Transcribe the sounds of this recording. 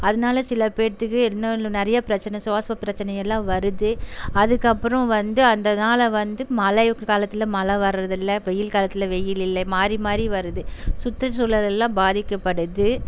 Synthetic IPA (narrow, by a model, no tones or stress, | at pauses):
ɐðɐnaːlɐsɪlɐpeːt̪ːɯkːɯɛnːɐlːonɐɾɐjɐpɪɾɐt͡ʃːɐnɛsʊaːsʋɐpːɪɾɐt͡ʃːɐnɐjɛlːãːʋɐɾɯðɯɐðɯkːɐpːɯɾɐ̃ʋɐnd̪ɯɐnd̪ɐnaːlɐʋɐnd̪ɯmɐlɐkkaːlɐt̪ːɪlɐmɐlɐʋɐɾɾɐðɪlːɐʋɛjɪlkaːlɐt̪ːɪlɐʋɛjɪlɪlːɐmaːɾimaːd̪ɾiʋɐɾɯðɯsʊt̪ːɾɐsuːlɐlɛlːãːbaːðɪkːɐpːɐɽɯðɯ